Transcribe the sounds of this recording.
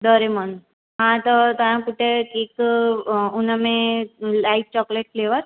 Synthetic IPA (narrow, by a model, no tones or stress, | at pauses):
d̪əɾemən | ɦãt̪ət̪əjãpuʈ̪ʰeek | unəmẽlaift͡ɕɔkleʈfleʋəɾ